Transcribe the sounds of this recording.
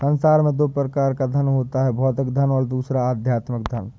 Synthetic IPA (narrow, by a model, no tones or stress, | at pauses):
sənsaːɾmẽd̪oːpɾəkaːɾkad̪ʱənɦoːt̪aɦɛbʱɔːt̪əkd̪ʱənɔːɾd̪uːsɾaaːd̪ʱjaːt̪mək̚d̪ʱən